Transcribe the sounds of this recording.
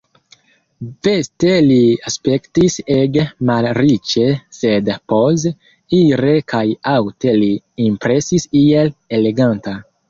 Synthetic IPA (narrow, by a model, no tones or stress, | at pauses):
ve̞ste̞liaspe̞ktiseɡmalɾit͡ʃe̞se̞dpos | iɾe̞kʰajawte̞liː | mpɾe̞sisielele̞ɡanta